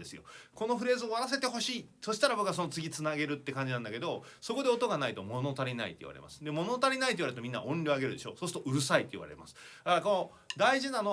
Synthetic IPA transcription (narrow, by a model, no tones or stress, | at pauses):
d̪esɨjoko̞no̞ɸɯ̟ɾe̞ːzɨoβaɾas̬e̞t̪e̞ɦo̞ɕiːso̞ɕi̥t̪aɾabo̞kɯas̬o̞no̞t͡sɨɡʲit͡sɨnaɡe̞ɾɯ̟t̪ːe̞kãɲ̟d͡ʑinãnd̪ake̞d̪o̞ | so̞ko̞d̪e̞o̞t̪o̞ɡanait̪o̞mo̞not̪aɾʲina̰ḭt̪oḭβa̰ɾe̞̰mʔa̰sɨ̥d̪e̞mo̞not̪aɾʲinait̪oiβaeɾt̪omʲĩnːa̰õ̞nʲɾʲoaɡe̞ɾɯ̟d̪e̞ɕo̞̰ːso̞ːsɨ̥t̪oʔɯ̟ɾɯ̟sait̪ːoḭβa̰ɾe̞̰ma̰sɨ̥aɾakono | d̪aiʑinano